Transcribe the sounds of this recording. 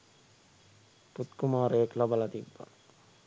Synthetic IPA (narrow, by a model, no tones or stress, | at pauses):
put̪kumaːɾəjeklabalat̪ibːa̰